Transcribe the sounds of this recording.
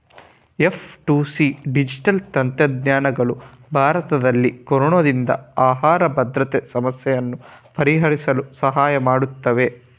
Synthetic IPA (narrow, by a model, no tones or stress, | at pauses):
e̞fʰʈuːsiɖid͡ʒiʈɐlt̪ɐnt̪jɐd̪ɲaːnɐɡɐɭu | bʱaːɾɐt̪ɐd̪ɐlːikɔɾɔɳod̪ind̪ɐ̰aːɦaːɾɐbʱɐd̪ɾɐt̪esɐmɐsjɛjɐnːupɐɾiɦɐɾisɐlusɐɦaːjɐmaːɽut̪ːɐʋe